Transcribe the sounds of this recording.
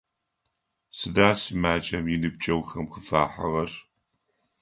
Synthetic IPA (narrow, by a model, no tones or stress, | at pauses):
sɨdaːsɨmaːt͡ʃʼɐmjɪnɨb̚t͡ʃʼɐwxɐmxɨfa̰ːħɐʁɐr